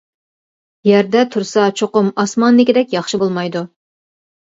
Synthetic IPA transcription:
jæɾd̪ɛt̪ʰuɾsɑt͡ʃʰoqʊmɑsmɑnːɪkʲɪd̪ɛkʲjɑχʃɪbolˠmɑjd̪u

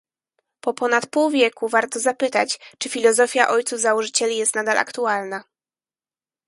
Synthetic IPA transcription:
pɔpɔnat̪puwvʲjɛkuvaɾt̪ɔzapɘt̪at͡ɕt͡ʂɘfʲilɔzɔfʲjaʔɔjt̪suvzawɔʐɘt͡ɕɛlʲijɛst̪nad̪alʔa̰kt̪ualna

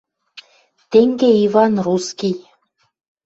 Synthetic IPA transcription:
t̪eŋɡeivɑnruskij

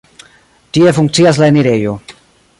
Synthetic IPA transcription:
tie̞fuŋk̚t͡ssias̬laeniɾe̞jo̞

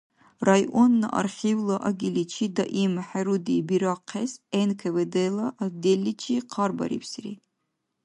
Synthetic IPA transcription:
rajʔonːa̰ʔa̰rχʲivlaʔaɡʲilit͡ʃʰid̪aʔimħaɾudibiɾaqʰːesenkʰeved̪elaʔːd̪elːit͡ʃʰiqʰɑrba̰ɾḭpʰsrḭ

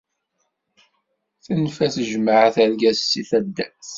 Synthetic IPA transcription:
θənfæθəʒməʕəθæɾɡæsːiθæd̪ːæs

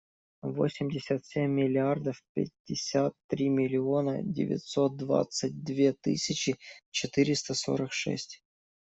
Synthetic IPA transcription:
vo̰sʲɪmʲdʲɪsʲət̪sʲemʲːɪlʲɪard̪əfpʲɪ̰dʲːɪsʲat̪ːɾʲimʲɪlʲɪo̞nə̰dʲɪ̰vʲɪ̰t̪ʲsot̪̚d̪va̰t̪sɨt̚ʲd̪vʲet̪ɨ̰sʲɪt͡ɕɪt͡ɕɪt̪ɨɾʲɪst̪əso̞̰ɾəkʂɛ̰sʲtʲ

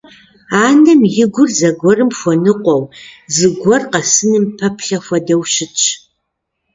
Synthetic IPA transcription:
aːnɐmjɪɡʷʊrzɐɡʷɔrɨmxʷɔnɨqʷɔwzɨɡʷɔrqɐsɨnɨmpʰɐpʰɬɐxʷɐdɐwɕɪt͡ʃʼʰ

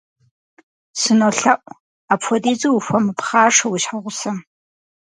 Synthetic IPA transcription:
sɨnoɬɐʔʷʼ | aːpfʷɔdiːd͡zʼɐwfʷɔmɨpχaːʂɐwiɕħaʁʷʊsɐm

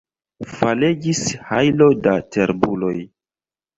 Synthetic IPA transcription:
faled͡ʒishajlo̞dateɾbulo̞j

